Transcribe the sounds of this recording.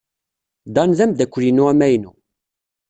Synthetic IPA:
d̪ɑnðæmd̪ækʷːlinuæmæjnṵ

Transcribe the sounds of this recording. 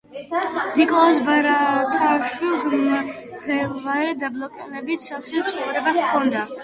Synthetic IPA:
nikʼɔɔlɔsbaɾat̪ʰʼaʃwilˠs | ʁɛlvaɾɛd̪ablˠɔkʼɛ̰lɛbit̪safsɛtt̪sʼχɔvɾɛbaχkʰɔnd̪a

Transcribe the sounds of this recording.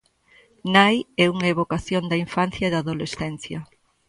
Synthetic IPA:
najɛuŋɐeβokaθjond̪ɐiɱfanθjɐeðaðolesθɛnθjɐ

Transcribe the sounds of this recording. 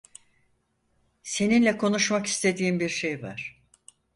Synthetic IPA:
se̞ninlʲɛkʰo̞nuʃmaki̥st̪ʰe̞d̪iːmbiɾʃejva̰ɾ̥

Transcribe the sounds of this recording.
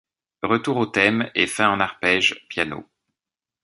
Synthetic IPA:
ʁət̪uʁot̪ɛmefɛ̃ɑ̃naʁpɛʒpjano̰

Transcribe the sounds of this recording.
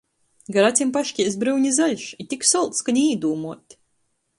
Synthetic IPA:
ɡaɾat̪sʲimpaʃkʲiɛs̬bɾɨwɲʲizalʲʃit̪ʲiksɔlˠt̪skaɲʲiːd̪uːmuɔt̪ʲ

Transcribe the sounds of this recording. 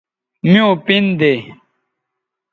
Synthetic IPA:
mĩõpind̪e

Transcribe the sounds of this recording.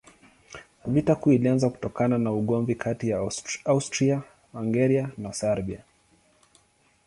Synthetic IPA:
vitakuilianzaku̥tɔkananauɠɔmvikʰatijaaustɾia | aŋɡɛɾianasaɾbia

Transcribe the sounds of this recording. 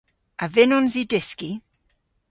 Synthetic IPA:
ʔavɪnɔnzidɪski

